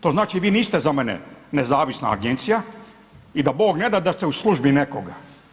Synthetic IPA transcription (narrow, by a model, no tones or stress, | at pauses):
t̪o̞ːznaːt͡ʃiʋiːniːst̪ezamenḛnezaːʋisna̰ːɡent̪sija | id̪abo̞ːɡne̞d̪ad̪ast̪euslˠuʒbinekoɡa